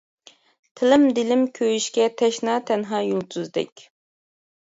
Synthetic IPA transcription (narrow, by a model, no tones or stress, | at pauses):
t̪ʰɪlɪmd̪ɪlɪmkʲʰøjyʃkʲɛt̪ʰɛʃnɑːt̪ʰɛnɦɑːjolˠt̪ʰuzd̪ɪ̰kʲ